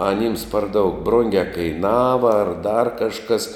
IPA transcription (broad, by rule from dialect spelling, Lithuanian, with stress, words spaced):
ɐˈnʲiːms pɐr dɐʊk ˈbrʊŋʲɡʲɛ kɐɪˈnɑːʋɐ ɐr dɐr kɐʃˈkɐs